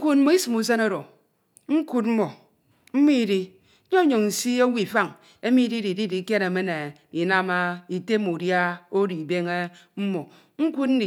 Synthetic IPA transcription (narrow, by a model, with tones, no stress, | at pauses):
ku˦tm̩˦mo˨i˦si˨mu˨˦s̬e˦no˦ɾo˨ | ŋ̩˦ku˦t̬̚m̩˦mo˨ | m̩˦mi˦˨di˦ | o˦ɲo˨ŋn̩˨si˦o˦wi˦˨fa˦˨ŋ | e˦mi˦di˦di˨di˦di˨˦ke˦ne˨me˦ne˨ | i˨na˦ma˦i˨te˦mu˨dja˦o˦di˨be˦ŋe˦m̩˦mo˨ | ŋ̩˦ku˦t̚n̩˦di˨